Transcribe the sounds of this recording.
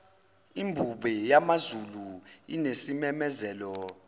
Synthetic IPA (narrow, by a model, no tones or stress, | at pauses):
imbʱuɓɛjamazuluḭnesimɛmɛzɛːlɔ